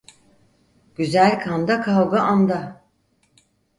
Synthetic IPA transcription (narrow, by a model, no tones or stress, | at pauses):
ɟ̥yzælʲkʰand̪akʰalˠɡaʔand̪a